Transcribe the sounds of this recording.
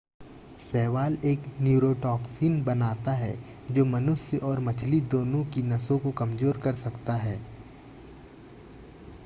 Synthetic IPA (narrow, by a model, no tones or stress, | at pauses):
sɛːʋaːleːknjuːɾoːʈɔːksiːnbɐnaːt̪aɦɛ̰ | d͡ʒoːmɐnʊsjəʔɔːɾmɐt͡ʃʰlid̪oːnõkinɐsõkokɐmzoːɾkɐɾsɐkt̪aɦɛː